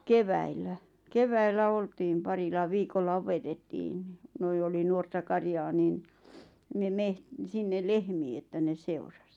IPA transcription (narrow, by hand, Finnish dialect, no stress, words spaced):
keʋæilˑæ keʋæilːæ oltiːm pɑrilɑ ʋiːkolːɑ opetetːiːn n̥i̥ noi oli nuortɑ kɑrjɑː nin ne meht sinːel lehmiː etːæ ne seurɑs